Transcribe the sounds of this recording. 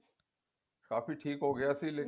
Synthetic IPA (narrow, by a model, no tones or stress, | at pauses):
kaːfiʈʰiːkɦoːɡəjaːsiːleː